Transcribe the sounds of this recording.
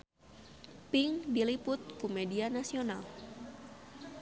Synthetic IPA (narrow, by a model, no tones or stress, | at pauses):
pɪŋdilipʊt̪̚kumedianasional